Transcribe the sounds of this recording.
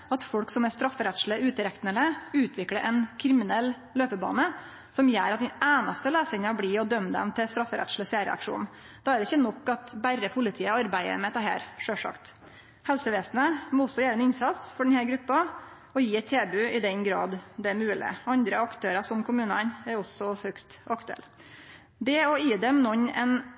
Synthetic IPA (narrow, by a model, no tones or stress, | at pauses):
ɑt̪fɔɽksɔmɛst̪ɾɑfːəɾɛt̪ʂləʉːt̪əɾɛk̪nələʉːt̪ʰʋɪkləɾʔɛnkʰɾɪmɪnɛlː | løːpəbɑ̰ːnə | sɔmjæ̰ːɾɑt̪̚d̪ɛnæːnɑst̪əleːsɪŋɑbliːɔd̪œmːd̪ɛ̰mt̪ʰɪst̪ɾɑfːəɾɛ̰t̪ʂl̩əsæːɾə̰ɑ̰kʂṵːnn̩ | d̪̥ɑæɾɪçənɔkːɑt̪bærːəpʰʊlɪt̪ʰiːəɑɾbæɪə̰mɛt̪ʰɑːɦæ̰ːɾʂøːʂɑ̰kt̪ | hɛlsəʋeːsnəmɔɔsːɔjæːɾɛnɪnsɑt̪sfɔɖɛnhæːɾɡɾʉpːɑ | ɔjiːɛt̪ʰːeːbʉɪd̪ɛnɡɾɑ̰ːd̪d̪ɛæɾmʉːlɪ̰ɑnd̪ɾəɑkt̪ʰøːɾɑsɔmkʰʊmʉːnɑnæɾɔsɔhœkt̪ɑkt̪ʉɛ̰l | d̪ɛɔjiːd̪ɛmnɔɲːɛ̰n